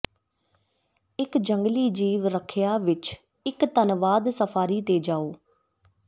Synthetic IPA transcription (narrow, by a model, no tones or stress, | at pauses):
ɪkd͡ʒəŋɡliːd͡ʒiːʋɾəkʰjaːʋɪt͡ʃ | ɪkt̪ənʋaːd̪səfʰaːɾiːt̪eːd͡ʒaːoː